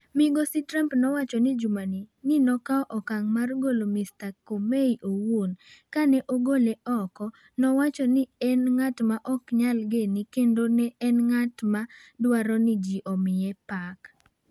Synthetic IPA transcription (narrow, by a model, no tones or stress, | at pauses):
mɪɡositɾampnɔwat͡ʃɔnɪd͡ʒumaninɪnɔkaɔʔɔkaŋmarɡolomistakomeiʔowonkanɛʔoɡoleʔɔkɔ | nɔwat͡ʃɔnɪɛnŋatmaʔɔkɲalɡenɪkendonɛʔɛnŋatmadwaɾɔnɪd͡ʒiʔɔmɪɛpak